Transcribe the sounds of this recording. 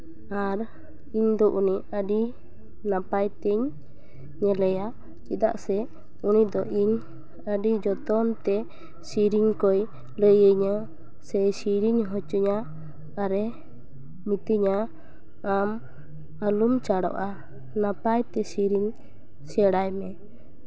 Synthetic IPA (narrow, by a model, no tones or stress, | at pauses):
aɾ | iɲd̪ɔʔuniəɖi | napajt̪ɛɲː | ɛlɛja | t͡ʃid̪a̰ʔsɛ | unid̪ɔʔiɲ | əɖid͡ʒɔt̪ɔnt̪ɛ | siɾiɲkɔj | ləjəɲa | sɛjsiɾiɲɦɔt͡ʃuɲaː | ɾɛ | mit̪iɲaː | m | alumt͡ʃaɽɔ̰ʔa | napajt̪ɛsiɾiɲ | sɛɽajmɛ